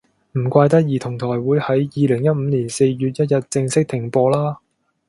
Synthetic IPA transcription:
m̩˨˩kʷaː˧jt̪ɐ˥k̚jiː˨t̪ʰʊ˨˩ŋt̪ʰɔː˨˩jwuː˨˥jhɐ˨˥jjiː˨˧lɪ˨˩ŋjɐ˥t̚m̩˨˧˥niː˨˩nse˧jjyː˨˧t̚jɐ˥t̚jɐ˨t̚t͡sɪ˧ŋsɪ˥k̚t̪ʰɪ˨˩ŋpɔː˧laː˥

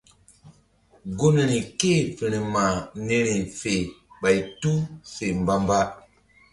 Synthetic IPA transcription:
ɡo˦ne˨ɾi˨ke˦˨fi˨ɾi˨ma˨ne˦ɾi˨fe˨ | ɓa˨jtu˦se˨m˨ba˦mba˦

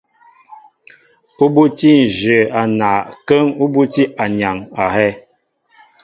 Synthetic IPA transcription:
u˦bu˦ti˦n̩˨ʒə˨a˨na˨kə˦ŋu˦bu˦ti˦ʔa˨ɲa˨ŋa˨hɛ˦

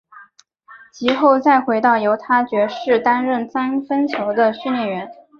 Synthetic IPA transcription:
t͡ɕi˧˥xo˥˧ʊt͡sa˥˩ɪxwe˧˥ɪt̪ɑ˥˩ʊjo˧˥ʊt̪ʰa˥t͡ɕɥɛ˧˥ʂɻ̩˥˩t̪a˥nɻə˥˩nsa˥nfə˥nt͡ɕʰjo˧˥ʊd̪ə˧ɕy˥˧nljɛ˥˩nɥɛ˧˥n

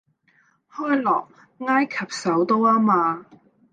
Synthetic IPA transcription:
hɔː˥jlɔː˨˩k̚ | ŋaː˥jkʰɐ˨˩p̚sɐ˨˥wt̪o˥waː˥maː˧

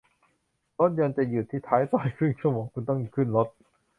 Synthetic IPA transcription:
lo˦˥t̪̚jɔ˧nt͡ɕa˨˩juː˨˩t̪ʰːiː˥˩t̪ʰaː˦˥jt̪aː˨˧˩jkʰɯ˥˩˨nt͡ɕʰu˥˩˨mɔː˨˦ŋkʰu˧nt̪ɔ˥˩ŋɲi˧˩kʰɯ˥˩nlo˦˥t̪̚

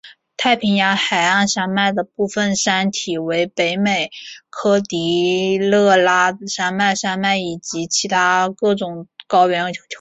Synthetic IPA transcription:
t̪ʰa˥˩ɪpʰi˧˥ŋja˧˥xa˨˩ɪa˥˩nʂa˥nma˥˩ɪd̪ə˩pu˥˩fə˥˩nʂa˥nt̪ʰi˨˩we˧˥ɪpe˧˥ɪme˨˩ɪkʰɤ˥t̪i˧˥lɤ˥˩la˥ʂa˥nma˥˩ɪʂa˥nma˥˩ɪi˨˩t͡ɕi˧˥t͡ɕʰi˧˥t̪ʰa˥kɤ˥˩ʈ͡ʂʊ˨˩ŋkɑ˥ʊɥɛ˧˥nʰ˥˧˩jo˧˥˩t͡ɕʰjo˧˥

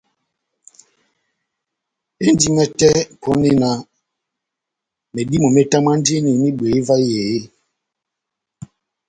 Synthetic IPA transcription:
e˦n˦di˦mɛ˦tɛ˦pʰɔ˦ne˦na˨ | me˨di˦mo˨me˦ta˦ma˦n˦de˦ne˨ni˦ɓe˨i˦va˦je˨e˦

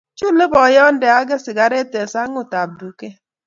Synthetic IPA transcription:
t͡ʃu˦le˦bɔ˨jɔ˦n̩˦dɛ˨a˦ɡe˦sɪ˨ɡa˨ɾe˦te˨sa˦ŋʊ˨ta˨b̚du˨ke˦

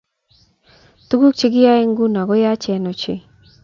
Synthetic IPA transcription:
t̪u˦ɡu˦k̚t͡ʃi˦ɡɪ˦ja˦ɛ˦ŋɡu˦na˨ɡɔ˦ja˦t͡ʃɛ˨˦no˨t͡ʃɪ̰˨

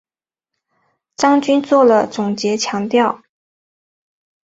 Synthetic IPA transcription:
ʈ͡ʂɑ˥ŋt͡ɕy˥nt͡swɔ˥˩lə˩t͡sʊ˨˩ŋt͡ɕjɛ˧˥t͡ɕʰjɑ˧˥ŋt̪jɑ˥˩ʊ

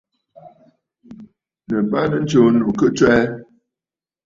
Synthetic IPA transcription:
nə˨ba˦nə˨n̩˦t͡ʃo˨no˨kə˦t͡ʃwɛ˦

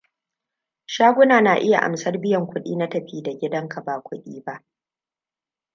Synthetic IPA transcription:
ʃaː˦ɡʷʊ˦naː˨na˨ʔɪ˦ja̰˨ʔa̰˨msɐ˦rbɪ˦jɐ˨ŋkʷʊ˦ɗḭː˦na˦tɐ˨ɸiː˦da˨ɡʲɪ˦dɐ˦ŋkʰa˨baː˨kʷʰʊ˦ɗiː˦ba˦ʔ

